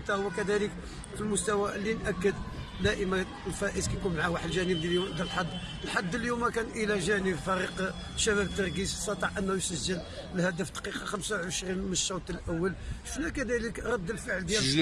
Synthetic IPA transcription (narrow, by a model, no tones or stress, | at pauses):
t̪æhwækæd̪ælək | filmʊst̪æwælinʔækːəd̪ | d̪æʔəmæ | lfæʔəzkæjkunmaʕawaħlʒænəb̪d̪əlħad̪ːəlħad̪ːəljumækænʔəlæʒænəbfæɾiq | ʃːæbæbət̪ːɑɾˤɡissɑt̪ˤɑʕʔənːhujsəʒːəl | lhæd̪əft̪qiqɑxæmsawʕəʃɾinmənəʃːoɾt̪ˤəlʔæwːəlʃʃnækæd̪æləkɾˤɑd̪ːəlfəʕəld̪jæ